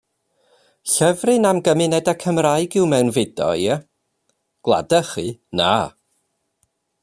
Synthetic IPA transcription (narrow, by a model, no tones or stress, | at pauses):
ɬɛvrɨnamɡəmɪnɛdakʰəmraɨɡɪwmɛwnvɪdɔ̰jə | ɡ̥lˠa̰dəχɨna̰ː